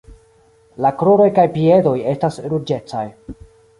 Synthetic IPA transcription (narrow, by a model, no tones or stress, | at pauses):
lakɾoɾo̞jkajpie̞do̞je̞stasɾud͡ʒe̞t͡sa̰j